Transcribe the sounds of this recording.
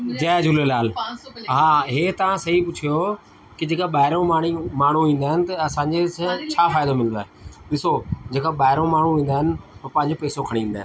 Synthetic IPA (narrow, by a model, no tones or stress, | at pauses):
d͡ʑɛːd͡ʑʱʊlelaːlɦaːɦeːt̪ɐʋ̤ãsɐɦipʊt͡ɕʰijo | kɪd͡ʑeːkaɓaːɪɾõmaːɳ̤imaːɳ̤uʋĩːnd̪aːɦɪnɪ̆t̪ɐɐsãːɲd͡ʑest͡ɕʰaːfaːɪd̪omɪl̃nd̪aːɦeɗɪsod͡ʑeːkaɓaːɦɪɾõmaːɳ̤uʋĩːn̆d̪aːɦɪnɪ̆opɐ̃ɦɪ̃ɲd͡ʑopɛːsokʰɐɽĩĩːnd̪ːɦɪnnɪ